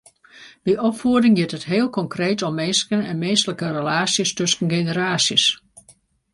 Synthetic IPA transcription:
biʔɔpfuədɪŋjɪtətɦeːəlˠkɔŋkreːtɔmːeːskənɛnmeːstələkərəlaːsjəstøskən̩ɡenəɾaːsjəs

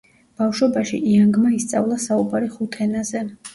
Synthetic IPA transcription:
b̥afʃwɔbaʃḭʔiaŋɡmaist̪sʼa̰vlˠasaubaɾiχut̪ʰɛnazɛ

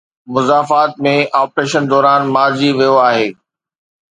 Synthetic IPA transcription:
mʊzaːfaːt̪̚mẽʔaːpɾeːʃənd̪ɔːɾaːnmaːɾd͡ʑiʋijoaːɦeː

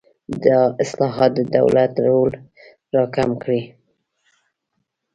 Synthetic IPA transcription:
d̪əɪslɑɦɑt̪̚d̪əd̪a̰wlat̪ɾol | ɾɑkamkɽi

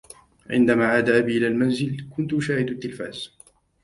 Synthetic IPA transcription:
ʕɪ̰nd̪amaːʕaːd̪aʔabiːʔɪlaːlmanzɪlkʊnt̪ʊʃaːhɪd̪at̪ːɪlfaːz̥

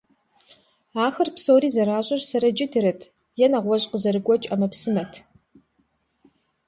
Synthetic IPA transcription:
aːxɐrpsoːriːzɐɾaːʑʷʼɪrsɐɾɐd͡ʒɪtʰɨɾɨtʰ | jɛnɐʁʷɔɕʼqəzɐɾɨɡʷɔt͡ʃʼɐmɐpsɨmɐtʰ

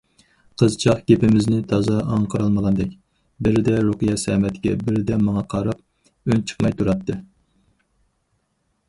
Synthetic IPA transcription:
qʰəzt͡ʃʰɑχɡʲepɪmɪznɪt̪ʰɑzɑɑŋqʰəɾɑlˠmɑlˠɑnd̪ɛkʲ | bɪɾɪd̪ɛɾoqɨjɑsɛmɛt̪ʰɪɡʲɛ̰bɪɾɪd̪ɛmɑŋɑqʰɑɾɑp̚ | ønt͡ʃʰə̥qmɑjt̪ʰuɾɑt̪ʰːɨ

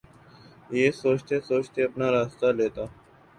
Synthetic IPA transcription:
jeːsoːt͡ʃt̪esoːt͡ʃt̪eəpnaɾaːst̪aleːt̪aː

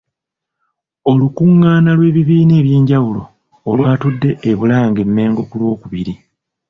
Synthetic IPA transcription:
o̞lukuŋːaːnalwe̞ːβiβiːne̞ːβje̞ːɲɟawulo̞ː | lwaːtudːe̞ːβulaːŋɡe̞mːe̞ːŋɡo̞kulwo̞ːkuβiɾi

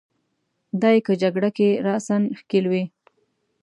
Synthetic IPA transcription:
d̪ɑjkəd͡ʒaɡɽakeɾɑsanxkilwi

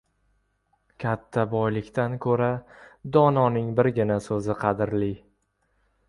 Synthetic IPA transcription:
kʲʰat̪ʰːabɒjlɪkʲt̪ankʰɵɾad̪ɒnɒnɪŋbɪɾɡʲɪnasɵzɪqʰɑd̪ɪɾli

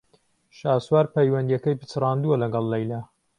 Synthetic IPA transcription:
ʃaːswaɾpʰɐjwɐnd̪ijɐkɐjpɨ̥t͡sʰɨrˤɑːnd̪uɐlɐɡɑlˠːɐjlɐ

